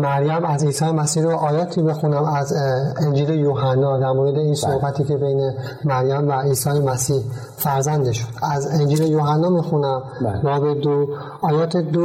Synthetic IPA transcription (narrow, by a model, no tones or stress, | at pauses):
mæɾjæmæziːsɒːjemæsiːhɾoʔɒːjɒːt̪ʰibe̞xunæmæzend͡ʒiːlejoːɦænːɒːd̪æɾmoːɾed̪e̞iːnsohbæt̪ʰiːcʰe̞be̞jne | mæɾjæmvæiːsɒːjemæsiːh | fæɾzænd̪eʃod̪̥æzend͡ʒiːlejoːɦænːɒːmixunæm | ɾɒːbed̪o | ɒːjɒːt̪ʰed̪o